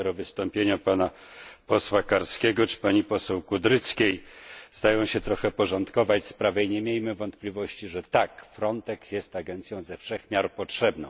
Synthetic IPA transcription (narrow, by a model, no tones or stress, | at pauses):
ɛɾɔvɘst̪ɔmpʲjeɲapana | pɔswakaɾskʲɛɡɔt͡ʂɘ̥paɲipɔsɛwkud̪ɾɘt̪skʲejzd̪ajɔ̃w̃ɕɛt̪ɾɔxɛpɔʐɔnt̪kɔvat͡ɕspɾavɛiɲemʲjejmɘvɔnt̪plʲivɔɕt͡ɕiʐɛt̪akfɾɔnt̪ɛksjɛst̪aɡɛnt̪sʲjɔ̃w̃zɛfʂɛxmʲjaɾpɔtʂɛbnɔ̃w̃